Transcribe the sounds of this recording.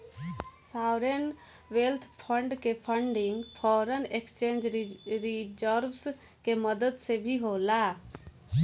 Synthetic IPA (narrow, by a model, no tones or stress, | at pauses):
saːʊɾen | ʋelt̪ʰpʰə̃ɳɖkepʰəɳɖɪŋɡpʰɔːɾənekst͡ʃẽːnd͡ʒɾɾid͡ʒəɾws | keməd̪əd̪sebʱiɦoːla